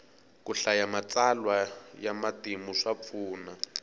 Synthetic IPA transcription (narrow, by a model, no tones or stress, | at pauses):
kuɬajamat͡salwajamatimuʂap̪fuːna